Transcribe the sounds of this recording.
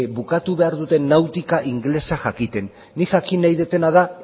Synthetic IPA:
βukat̪uβe̞aɾðut̪e̞nːawt̪ikaʔiŋɡle̞saʝakit̪e̞nː | iʝakinajðet̪e̞naða

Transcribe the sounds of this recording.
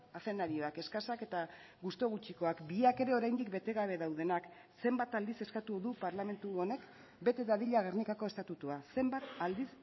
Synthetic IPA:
ase̞naɾio̞ake̞skasake̞t̪a | ɣust̪o̞ɣ̞ut͡ʃiko̞akbiake̞ɾe̞o̞ɾajnd̪ikbe̞t̪e̞ɣaβ̞e̞ðawð̞e̞nak | se̞mbat̪ald̪ise̞skat̪uðupaɾlame̞nt̪uo̞ne̞k | be̞t̪e̞ðaðiʎaɣ̞ernikako̞e̞st̪at̪ut̪uase̞mbat̪ald̪is

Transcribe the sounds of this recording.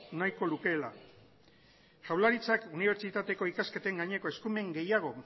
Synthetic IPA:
najko̞luke̞la̰ | ʝawlaɾit͡sakuniβ̞e̞ɾt͡ʃit̪at̪e̞ko̞ikaske̞t̪e̞ŋɡaɲe̞ko̞e̞skume̞ŋɡe̞jaɣ̞o̞

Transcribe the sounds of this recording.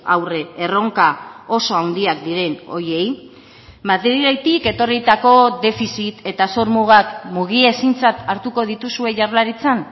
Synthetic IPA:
a̰wre̞ːro̞ŋkao̞so̞awnd̪iakd̪iɾe̞no̞̰ɾje̞j | mat̪eɾiajt̪ike̞t̪o̞rit̪ako̞d̪e̞fisit̪e̞t̪asoɾmuɣ̞akmuɣ̞ie̞sint͡sat̪aɾt̪uko̞ð̞it̪usue̞ʝaɾlaɾit͡san

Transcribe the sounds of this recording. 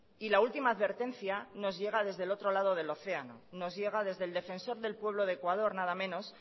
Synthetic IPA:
ilault̪imaːðβe̞ɾt̪e̞nθjano̞zʝe̞ɣ̞aðe̞zðe̞lo̞t̪ɾo̞lað̞o̞ð̞e̞lo̞θe̞ano̞̰no̞zʝe̞ɣ̞aðe̞zðeld̪e̞fe̞nso̞ɾðe̞lpwe̞β̞lo̞ðekwað̞o̞ɾnað̞amẽ̞no̞s

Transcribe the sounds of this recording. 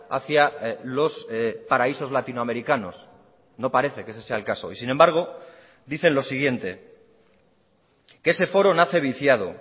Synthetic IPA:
a̰θjalo̞spaɾaiso̞zlat̪inoame̞ɾikano̞̰s | no̞paɾe̞θe̞kesese̞aelkaso̞̰isinembaɾɣ̞o̞ | ðiθe̞nlo̞siɣ̞je̞nt̪e̞ | kese̞fo̞ɾo̞naθe̞β̞iθjað̞o̞̰

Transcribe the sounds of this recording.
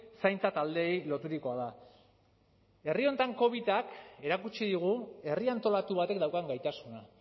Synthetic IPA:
sajnt͡sat̪ald̪e̞jlo̞t̪uɾiko̞aða | e̞rio̞nt̪aŋko̞β̞it̪ake̞ɾakut͡ʃiðiɣ̞ue̞riant̪o̞lat̪uβat̪e̞k̚d̪awkaŋɡajt̪asuna

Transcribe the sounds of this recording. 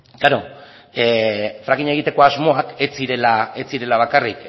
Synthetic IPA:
ɡ̥aɾo̞ | efɾaɣiɲe̞ɣ̞it̪e̞ko̞azmo̞aket͡siɾe̞laet͡siɾe̞laβ̞akarik

